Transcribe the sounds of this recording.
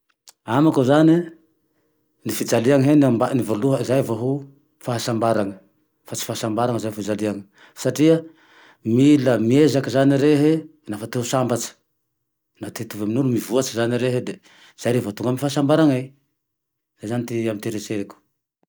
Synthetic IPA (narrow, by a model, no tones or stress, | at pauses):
amakozani | nifid͡zaliaŋɦenambanivoluɦəzajvaɦu | faɦasambaɾaŋə | fat͡si̥faasambaɾaŋəzajfid͡zaliaŋə | saʈ͡ʂiə | miləmiezakəzaniɾeɦenafat̪eusambat͡ʃə̥ | nat̪et̪uvaminulumivuat͡sizaniɾeɦed̪e | z̥ajɾevat̪uŋɡamifaɦasambaɾaŋaj | z̥ajzanit̪iamit̪eɾeseɾeku̥